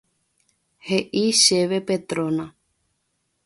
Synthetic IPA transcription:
heʔiʃeʋepet̪ɾonã

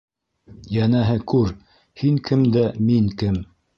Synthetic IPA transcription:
jænæɦɘkʉɾ | hiŋkʰɘmd̪æmiŋkɘm

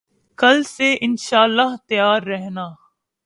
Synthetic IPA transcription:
kɐlseʔɪnʃaːlːaɦt̪ɐjaːɾːɛɦnaː

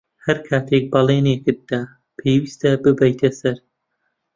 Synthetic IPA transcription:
hɐɾkʰaːt̪ʰek̚bɑlˠeːnekɨt̪̚d̪aː | pʰeːwist̪ɐbɨbɐjt̪ʰɐsɐɾ

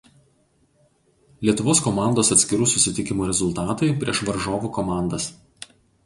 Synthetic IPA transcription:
lʲiɛt̪ʊʋoːskɔmɑˑnd̪oːsɐt̪sʲkʲɪɾuːsʊsʲɪt̪ʲɪkʲɪmuːɾʲɛzʊlˠt̪ɑːt̪ɐɪpʲɾʲiɛʃʋɐɾʒoːʋuːkɔmɑˑnd̪ɐs

